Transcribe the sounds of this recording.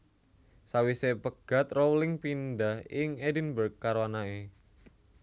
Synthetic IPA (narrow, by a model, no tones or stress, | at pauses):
sawisepəɡ̥a̤t̪rowlɪŋpindahɪŋedənbərkːaɾwanae